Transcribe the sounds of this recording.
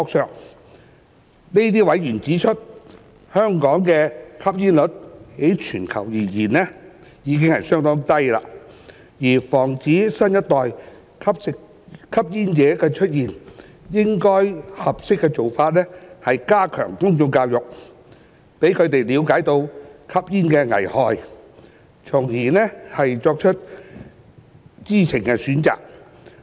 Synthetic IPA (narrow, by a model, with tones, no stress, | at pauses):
kɔː˧k̚sœː˨ŋ | ni˥t̪̬iː˥wɐ˨˥jjyː˨˩nt͡siː˨˥t͡ʃʰɵ˥t̚ | hœː˥ŋkɔː˨˥ŋkɛː˧kʰɐ˥p̚jiː˥nlɵ˨˥t̚he˨˥jt͡ʃʰyː˨˩nkʰɐ̰˨˩wjiː˨˩jiː˨˩nɛ˥ | jiː˨˧k̬ɪ˥ŋhɐ˨jsœː˥ŋt̪ɔː˥ŋt̪ɐ˥jla̰ː˧ | jiː˨˩fɔː˨˩ŋt͡siː˨˥sɐ˥njɐ˥t̚t̪ːɔː˨j | kʰɐ˥p | kʰːɐ˥p̚jiː˥nt͡sɛː˨˥kɛ˧t͡ʃʰɵ˥t̚jiː˨n | jɪ˥ŋkɔː˥jhɐ˨p̚sɪ˥kːɛ˧t͡so˨wfaː˧t̚nɛː˥hɐ˨jkaː˥kʰœ̰ː˨˩ŋkʊ˥ŋt͡sʊ˧ŋkaː˧wjʊ˨k̚ | pe˨˥jkʰɵ˨˧t̪e˨jliː˨˧wkaː˨˥jt̪o˧wkʰɐ˥p̚jiː˥nkɛː˧ŋɐ̰˨˩jhɔː˨j | t͡sʰʊ˨˩ŋjiː˨˩nɛː˥hɐ˨jt͡ʃɔː˧k̚t͡ʃʰɵ˥t̚ | t͡siː˥t͡sʰɪ˨˩ŋkɛ˧syː˨˥nt͡sa̰ː˨k̚